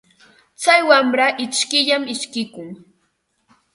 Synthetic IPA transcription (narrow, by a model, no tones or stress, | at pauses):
t͡sajwamɾaʔɪt͡ʃkɪʎamɪʃkɪkʊŋ